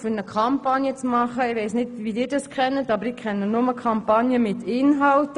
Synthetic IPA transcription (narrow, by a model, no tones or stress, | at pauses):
fynəkʰɑmpɑnjət͡smɑχəɪʋɛɪsnɪtʋidɪːɾd̥ɑskʰχɛnːətɑbəɾɪkʰɛnːənʊməkʰɑmpɑnjəmɪtɪnɦɑlt